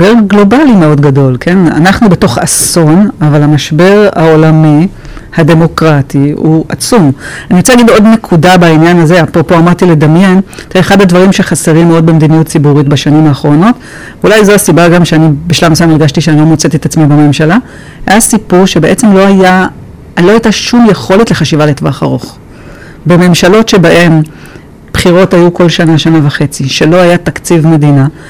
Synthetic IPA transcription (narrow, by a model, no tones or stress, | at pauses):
beɡlo̞balimeo̞dɡado̞lkʰe̞na̰naχnube̞to̞χaso̞navalamaʃbe̞ʁao̞lami | hade̞mo̞kʁatiuʔat͡sumaniʁot͡seaɡido̞dne̞kʰudabainjanazeapʁopo̞amaʁt̪ile̞damje̞nt̪eχadhadvaʁimʃe̞χaseʁimːeo̞d̚bemed̪inijut̚t͡sibuʁitbaʃanimaːχʁo̞no̞t | vulajzo̞asibaɡamʃeanibiʃlamaʃamiʁɡaʃtiʃeanilo̞mot͡set̪et̪at͡smibeme̞mʃala | hajasipuʁʃe̞beʔe̞t͡se̞mlo̞aja | lo̞ajtaʃumjeχo̞letleχaʃivaletva̰χa̰ʁo̞χ | beme̞mʃalo̞tʃe̞baʔe̞m | b̥χiʁo̞tajuko̞lʃanaʃanavaχe̞t͡siʃe̞lo̞ajat̪akt͡sivme̞dina